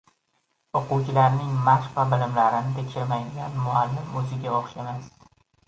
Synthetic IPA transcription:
oqʊwt͡ʃʰɪlaɾnɪŋmaʃvabɪlɪmlaɾɪnɪt̪ʰekʲʃɪɾmajd̪ɪɡʲanmʊalːɪmɵzɪɡʲaɒχʃe̞mas

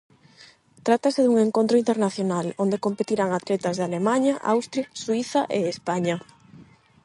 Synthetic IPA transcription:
t̪ɾat̪aseðuŋeŋkont̪ɾoint̪eɾnaθjonalond̪ekompet̪iɾaŋat̪let̪azðealemaɲɐʔa̰wst̪ɾjaswiθaʔeːspaɲa

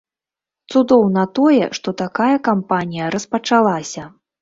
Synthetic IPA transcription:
t̪sud̪ɔwnɐt̪ɔjɛ̰ʂt̪ɔt̪akajɐkampanʲijɐɾɐspɐt͡ʂalˠasʲɐ

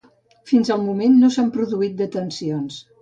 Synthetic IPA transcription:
finzəlˠmumenːosampɾuðuit̪̚d̪ət̪ənsions

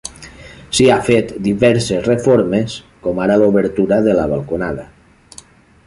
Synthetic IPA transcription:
siafet̪d̪iβɛɾsezrefoɾmes | komaɾaloβəɾt̪uɾaðelaβalˠkonaða

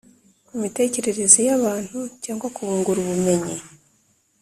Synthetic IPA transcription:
umite̞ːce̞ɾe̞ɾezijaβaːn̥hucaːŋɡwakuβuːŋɡuɾuβume̞ɲi

